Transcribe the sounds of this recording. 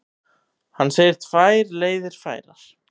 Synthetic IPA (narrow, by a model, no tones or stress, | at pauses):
hanːseːjɪɾ̥t̪ʰv̥aːjɾleːjðɪɾ̥fa̰ːjɾaɾ̥